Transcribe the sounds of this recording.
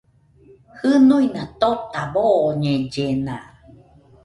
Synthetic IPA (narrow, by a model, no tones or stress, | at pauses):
hɨnuinat̪ot̪aβoɲẽd͡ʒenã